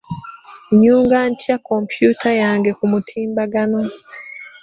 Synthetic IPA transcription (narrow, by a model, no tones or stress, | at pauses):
ɲuːŋɡantjakompjutajaːŋɡe̞kumutʰiːmbaɡano